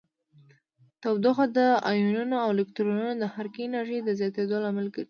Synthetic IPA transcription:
t̪awd̪oxad̪əajununoawlɪkt̪ɾonunod̪əhaɾkinaɾʒəjd̪əzjɑt̪ed̪olamalkəɾi

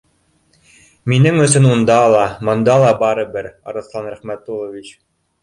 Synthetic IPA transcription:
minɘŋɵ̆sɵnund̪ɑlˠɑmɤ̆nd̪ɑlˠɑbɑɾɤbɘɾɑ̰ɾɤ̆θslˠɑnɾæχmæt̪ːulˠovʲit͡ɕ

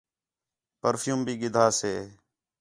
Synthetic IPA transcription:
pəɾfjuːmbʱiːɡɪd̪ʱaːseː

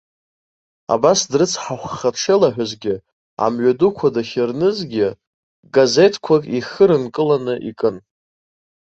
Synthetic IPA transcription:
a̰basdrɨt͡sʰħaχʷːaʈ͡ʂʰelaħᶣʷazɡʲɪ | a̰mɥʷadukʷʰadaχʲɪrnɨzɡʲɪ | ɡaze̞tʰkʷʰakʼiχɨɾɨnkʼɨlanɨʔikʼɨn

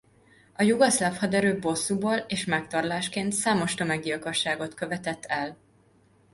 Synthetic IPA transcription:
ɒjuɡɒslafhɒd̪ɛɾøːbo̞sːuboːleːʃmɛk̚t̪ɒrlaːʃkeːnt̪saːmo̞ʃt̪ø̞mɛɡilkoʃːaːɡo̞t̪kø̞vɛt̪ɛt̪ːɛl

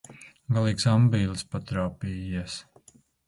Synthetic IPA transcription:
ɡalˠiːksambiːlˠspat̪ɾaːpiːjiɛs

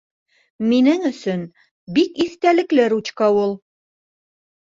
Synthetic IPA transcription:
minɘŋɵ̆sɵn | bikiθt̪ælɘ̆klɘɾut͡ɕkɑwulˠ

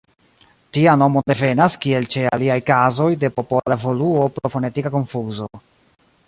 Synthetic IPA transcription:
tiano̞mode̞ve̞naskie̞lt͡ʃe̞a̰liajkazo̞jde̞po̞polavo̞luopɾofo̞ne̞tikako̞nfuzo̞

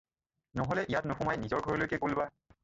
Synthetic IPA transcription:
nɔɦɔlɛʔijatnʊxɔmajnizɔɹɡʱɔɹɔlojkɛkulba

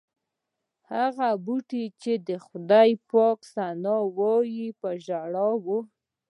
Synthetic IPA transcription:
haɣabuʈit͡ʃed̪əxʊd̪ɑjpɑksanɑwɑjipəʒaɽɑwu

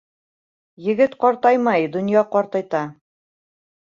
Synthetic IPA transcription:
jɘ̆ɡɘt̪qɑɾt̪ɑjmɑjd̪ŏnjɑqɑɾt̪ɑjt̪ɑ

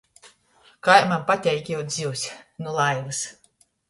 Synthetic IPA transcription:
kajmampat̪ʲɛjkʲjɛwd̪zʲiwsʲnulˠajvɨs

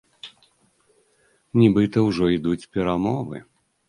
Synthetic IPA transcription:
nʲibɨt̪ɐwʐɔid̪ut͡sʲpʲɛɾamɔvɨ̰

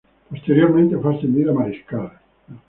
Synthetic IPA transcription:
post̪eɾjormẽnt̪efast̪end̪iɾamaɾiskale

